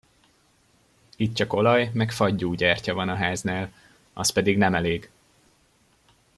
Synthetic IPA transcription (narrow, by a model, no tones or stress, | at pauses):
it̪̚t͡ʃɒko̞lɒjmɛkfɒɟːuːɟɛːrcɒvɒnɒɦaːznaːl | ʔɒ̰spɛd̪iɡnɛmɛleːɡ